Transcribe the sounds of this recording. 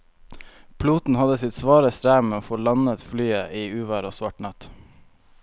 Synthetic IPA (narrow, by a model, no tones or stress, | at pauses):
pʰluːt̪n̩hɑd̪əsɪt̪sʋɑːɾəsɾæːmeːoːfoːlɑnət̪flyːəʔiːʉːʋæɾoːsʋɑʈnɑt̪